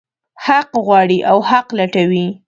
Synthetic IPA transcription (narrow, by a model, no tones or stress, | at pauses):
haqɣwɑɽiʔawhaqlaʈawi